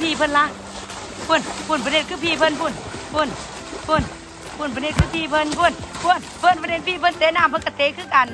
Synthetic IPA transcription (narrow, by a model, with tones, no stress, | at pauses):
pʰiː˧˨pʰɤ˧˨nla˧˦ | pʰu˧˩˨npʰu˧˨npʰa˧˨ne˧t̪̚kʰɯː˧˨pʰiː˧˨pʰɤ˧˨npu˧˩˨npʰu˧˩˨n | pʰu˧˩˨n | pʰu˧˩˨np̬ʰa˧˨ne˧t̪̚kʰɯː˧˩pʰiː˧˨pʰɤ˧˨nku˧˨nku˧˨ə˨npʰɤ˧˨npʰa˧ne˧˩n̚pʰiː˧˨pʰɤ˧˨t̪e˨˦naː˧˨mpʰka˧t̪eː˨˦kʰɯː˧˨ka˨n